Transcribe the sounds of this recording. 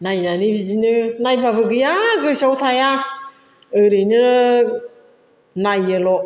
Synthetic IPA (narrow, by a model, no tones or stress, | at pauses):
najnanibizinɯnajpʰabɯɡɯjaɡɯsawtʰaja | ɯɾenɯ | najɯlɔ